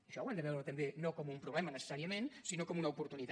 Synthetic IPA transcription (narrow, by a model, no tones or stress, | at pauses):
əʃɔwand̪əβɛwɾət̪əmbenokɔmumpɾuβlɛmənəsə̥saɾiəmẽnsinokɔmunəupuɾt̪unit̪